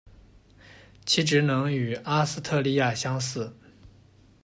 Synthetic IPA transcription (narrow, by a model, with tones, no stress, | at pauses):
t͡ɕʰi˧˥ʈ͡ʂɻ̩˧˥nɤ˧˥ŋy˨˩a˥sɹ̩˥t̪ʰɤ˥˧li˥˧ja˥˩ɕjɑ˥ŋsɹ̩˥˩